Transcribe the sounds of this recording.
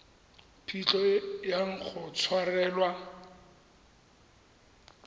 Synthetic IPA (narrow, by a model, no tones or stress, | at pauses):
pʰit͡ɬɔjaŋ̩k͡xʰʊt͡sʰwarɛːlwa